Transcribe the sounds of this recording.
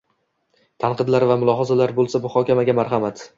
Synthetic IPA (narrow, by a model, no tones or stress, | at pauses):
t̪ʰanqɨd̪laɾvamʊlˠɒɦɒzalaɾbolˠsamʊχɒkʲamaɡʲamaɾɦamat̪